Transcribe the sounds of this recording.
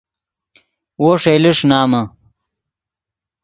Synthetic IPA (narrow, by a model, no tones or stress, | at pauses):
woʂejliʂnaːmɐ